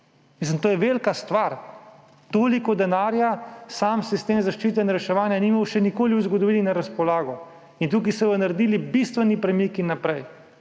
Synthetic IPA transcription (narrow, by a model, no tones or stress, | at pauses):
mis̬limt̪oːjɛʋelkast̪ʋaɾ | t̪oːlikɔd̪ɛnaːɾjasaːmsist̪eːmzaʃt͡ʃiːt̪̬ɛnɾɛʃɛʋaːnjanimawʃɛnikoːliuzɡɔd̪ɔʋiːlinaɾaspɔlaːɡɔ | int̪uːk̬isɛjɔnaɾd̪iːlibist̪ʋɛnipɾɛmikinːapɾɛj